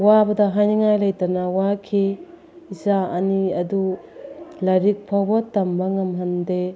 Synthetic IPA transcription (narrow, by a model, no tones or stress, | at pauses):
wabɐdɐɦajniŋajlɐjtɐnawakʰi | isaɐniɐdu | lɐɾik̚pʰawbɐtɐmbɐŋɐmɦɐnde